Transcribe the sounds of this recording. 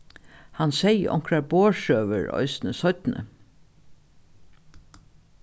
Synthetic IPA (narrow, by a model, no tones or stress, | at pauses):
hansɛjʔɔ̰ŋkɹaɹboːʃøːʋəɹɔ̰ʏsnəsɔt̪nʔə̰